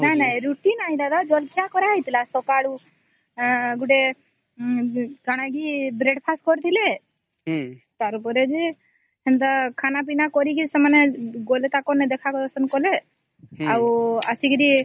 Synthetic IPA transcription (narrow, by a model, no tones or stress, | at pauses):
nanajɾuʈinailad̪ad͡ʒɔlkʰijakɔɾaɦijt̪ilasɔkaɽu | ɡuɖe | ɡaɽ̃aɡibɾeɖpʰaskɔɾt̪ʰile | t̪aɾupɔɾed͡ʒi | hɛnd̪akʰanap̬inakɔɾikisɛmaneɡolet̪akɔnɛd̪ɛkʰakɔɔsɔnkɔle | awasikiɾi